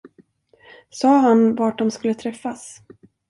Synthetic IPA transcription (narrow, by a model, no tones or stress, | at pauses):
sɑːɦanvaːʈ̚ɖɔmskɵlːət̪ʰɾɛfːas